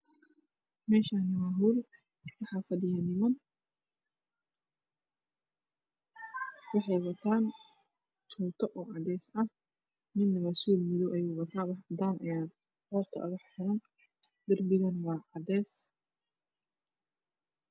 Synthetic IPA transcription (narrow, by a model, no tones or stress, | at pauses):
mɛːʃaːnɐwaːɦuːl | wɑħɑfɐdɪjɐnɪmɐn | wɑħɑjwɐt̪ʰaːn | t̪ʰuːt̪ʰɐʔɔːʕɑd̪ɛːsɐh | mɪd̪nɐrɐsuːlmɪðɔwʔɐjuːwɐt̪ʰaːwɑħd̪aːnʔɐ̰jaːd̪ | hɔːrt̪ʰɐ̰ʔʊɣɐħħɪɾɐn | d̪ɪrbɪɣɐnwɑːʕɑd̪ɛːs